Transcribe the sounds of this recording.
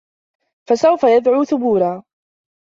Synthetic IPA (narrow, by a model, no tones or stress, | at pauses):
fasawfajad̪ʕuːθʊbuːɾaː